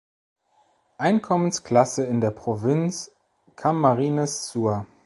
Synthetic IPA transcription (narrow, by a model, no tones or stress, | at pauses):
ʔaɪnkʰɔmənskl̥asəɪndeːɐpʁ̥ovɪnt͡s | kʰamːaʁiːnɛssuːɐ